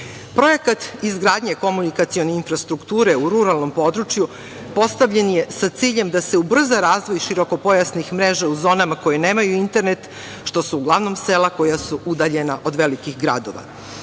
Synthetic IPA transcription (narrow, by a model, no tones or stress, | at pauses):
pɾo̞je̞kat̪izɡɾaːd̪ɲeko̞munikat̪sio̞neinfɾast̪ɾukt̪uːɾe̞uɾuɾalˠno̞mpo̞d̪ɾut͡ʃju | po̞st̪aʋʎe̞nje̞sat̪siːʎe̞md̪ase̞ubr̩zaɾaːzʋo̞jʃiɾo̞ko̞po̞jasnixmɾe̞ʒauzo̞ːnamako̞jene̞ːmajuint̪e̞ɾnet̪ | ʃt̪o̞suːɡlˠaʋno̞mse̞ːlˠako̞jasuʔud̪aʎe̞naʔo̞d̪ʋe̞likixɡɾa̰d̪o̞̰ʋa̰